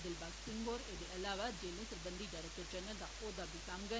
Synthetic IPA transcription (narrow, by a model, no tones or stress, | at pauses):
d̪ɪlbaːɡ̪sɪ̃ŋɡoːɾeːd̪eʔɐlaːʋad͡ʒeːlẽsəɾbə̃nd̪iːdaːɾək̚t̪əɾd͡ʒənəd̪a̰ʔoːd̪aːbiːsaːmɡə